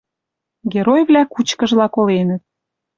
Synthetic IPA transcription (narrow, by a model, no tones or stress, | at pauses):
ɡʲeɾojvlʲækut͡ɕkə̆ʒlɑkolenət̪̚